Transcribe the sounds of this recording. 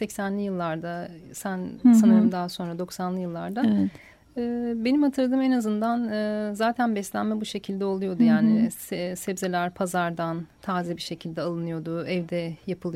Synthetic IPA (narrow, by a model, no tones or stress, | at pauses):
sɛcsænlʲijɯlˠːaɾd̪asænsanɯɾɯmd̪aːso̞nɾad̪o̞ksanlˠɯjɯlˠːaɾd̪a | ɯːbe̞nimhat̪ʰɯɾlad̪ɯːmenazɯnd̪anɯːzaːt̪ʰænbɛslʲænmɛbuʃe̞cʰilʲd̪ɛo̞lˠujo̞d̪ujaːnɪssɛbzelʲæɾpʰazaɾd̪ant̪ʰaːzibiʃe̞cʰilʲd̪ɛalˠɯnɯjo̞d̪ʊɛvd̪ɛjapʰɯlˠɯ